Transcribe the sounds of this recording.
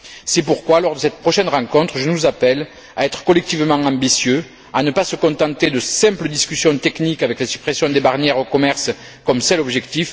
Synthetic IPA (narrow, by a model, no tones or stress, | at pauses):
sɛpuʁkwalɔʁd̪əsɛt̪pχɔʃɛnʁɑ̃kɔ̃t̪χəʒənuzapɛl | aɛt̪χə̥kɔlɛk̚t̪ivəmɑ̃ɑ̃bisjø | anəpasəkɔ̃t̪ɑ̃t̪ed̪əsɛ̃mpləd̪iskʲysjɔ̃t̪ɛknikavɛklasy̥pχesjɔ̃d̪ebaʁnjɛʁokɔmɛʁs | kɔmsɛlɔbʒɛkt̪if